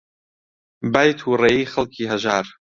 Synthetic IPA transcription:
baːjt̪ʰuːreːjiːxɐlˠkʰiːɦəʒaːɾ

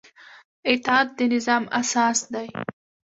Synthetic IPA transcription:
ɪt̪ɑd̪̚d̪ənɪzɑmasɑsd̪aj

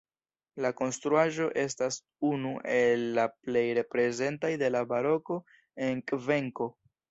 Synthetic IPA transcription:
lako̞nstɾuaʒo̞ʔe̞stas | unuʔe̞lːaple̞jɾe̞pɾe̞ze̞ntajde̞labaɾo̞ko̞ | e̞nkve̞ŋko̞

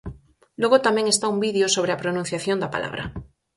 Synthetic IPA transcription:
lwoɣot̪amẽŋest̪aumbiðjosoβ̞ɾeapɾonũn̟θjaθjond̪apa̰la̰βɾa̰

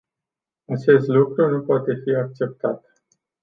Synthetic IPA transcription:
at͡ʃe̞st̪lukɾunupoat̪e̞fiak̚t͡ʃe̞p̚t̪at̪

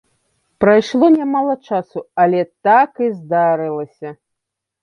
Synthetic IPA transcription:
pɾajʂlˠɔnʲamalˠɐt͡ʂasuɐlʲɛt̪akizd̪aɾɨlˠɐsʲɐ

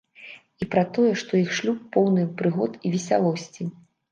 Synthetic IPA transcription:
ipɾat̪ɔjɛʂt̪ɔjixʂlʲupːɔwnɨpɾɨɣɔt̪ivʲisʲa̰lˠɔsʲt͡sʲi

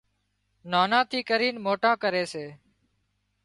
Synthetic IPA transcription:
naːnãːt̪ʰiːkəɾiːnmoːʈãːkəɾeːseː

